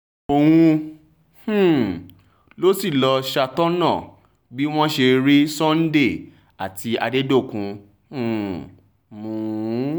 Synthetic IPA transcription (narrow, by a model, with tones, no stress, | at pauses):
o˧w̃ũ˧ | h̩˦˨ | lo˦si˦˨lɔ˧ʃa˧tɔ˦nɔ̃˦˨ | bi˦w̃ɔ̃˦ʃe˧ɾi˦sɔ̃˦n̩˦de˦˨ | a˨ti˧a˧de˦do˦˨kũ˧ | ũ˦˨ | mũ˨˦